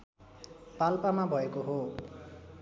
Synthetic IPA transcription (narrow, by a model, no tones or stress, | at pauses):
palpamabʱʌekoɦo